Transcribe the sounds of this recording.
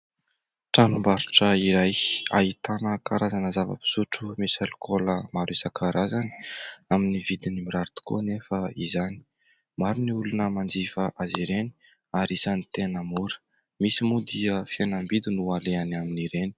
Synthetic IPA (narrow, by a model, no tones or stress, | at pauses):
ʈ͡ʂanumbaɾu̥ʈ͡ʂəiɾaja̰it̪anəkaɾazanəzavə̰pi̥suʈ͡ʂumesalukoləmaɾesakʰaɾazani̥aminivid̪inimiɾaɾut̪u̥ko̰nefəizani̥ | maɾiniulunəmand͡zifəʔaziɾeni̥ | aɾisanit̪enamuɾə̥ | misimud̪iəfjenambid̪inualeanaminiɾeni̥